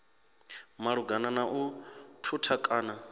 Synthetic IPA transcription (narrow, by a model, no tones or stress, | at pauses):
maɺuɡananaʔutʰutʰakʼaːna